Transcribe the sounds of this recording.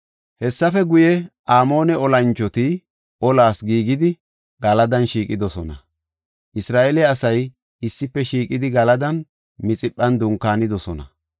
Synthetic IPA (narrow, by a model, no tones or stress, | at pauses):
hɛsːɐfɛɡʊjɛʔaːmo̞ːnɛɔlɐnt͡ʃːɔt̪ɪ | ʔɔlaːsɡiːɡɪd̪ɪ | ɡ̥ɐlɐd̪ɐnʃiːkʼɪd̪ɔsɔnɐ | ʔɪsɾaːʔɛlɛɐsɐj | ɪsːɪpːɛʃiːkʼɪd̪ɪɡɐlɐd̪ɐn | mɪt͡sʼɪpʼːɐnd̪ʊŋkːaːnɪd̪ɔsɔnɐ̰